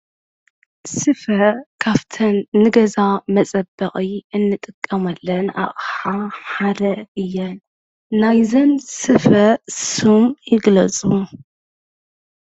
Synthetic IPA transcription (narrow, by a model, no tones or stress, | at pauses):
sɨfɐkʰaft̪ʰɐnːɨɡɐzamɐt͡sʼɐbːɐχʼiɨnːɨt̪ʼɨkʼːɐmɐlːɐna̰χʼħaħad̪ɐʔɨjːɛn | najzɐnsɨfɐsumjɪɡlɐt͡sʼu